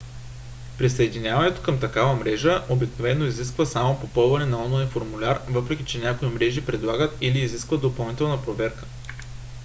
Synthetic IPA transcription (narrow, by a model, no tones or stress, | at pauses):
pɾisəɛd̪inʲjavɐnɛt̪o̥kəmt̪ɐkavəmɾɛʒəʔobiknovɛnːoiziskvəsamopopɤlˠvɐnɛnɐɔnlˠajnfoɾmulʲaɾvɤpɾɛkʲit͡ʃɛnʲakoimɾɛʒipɾɛd̪lˠaɡət̪iliːziskvəd̪d̪opɐlˠnit̪ɛlˠnəpɾovɛɾkə̥